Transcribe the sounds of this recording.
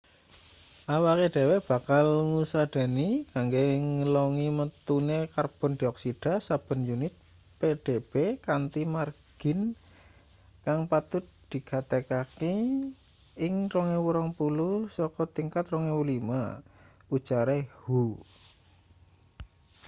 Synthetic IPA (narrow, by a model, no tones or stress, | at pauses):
ʔawakeɖ̥e̤wɛhb̥a̤kalŋusad̪̥a̤nikaŋɡeŋəlɔŋimət̪unekarb̥ɔ̤nd̪̥iɔksiɖ̥a̤sab̥ə̤njunɪt̪̚ | peɖ̥eb̥ekant̪imarɡ̥ɪ̤n | kaŋpat̪ʊt̪̚d̪̥i̤ɡ̥at̪ekaki | ɪŋrɔŋewuɾɔŋpulusɔkɔt̪iŋkat̪rɔŋewulima̰ | ud̥t͡ʃaɾehu